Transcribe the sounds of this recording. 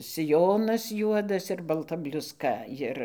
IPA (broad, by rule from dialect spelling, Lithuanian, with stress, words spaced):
sʲɪˈjoːnɐs ˈjuɔdɐs ɪr bɐlˠˈtɐ bʲlʲʊsˈkɐ ˈjɪr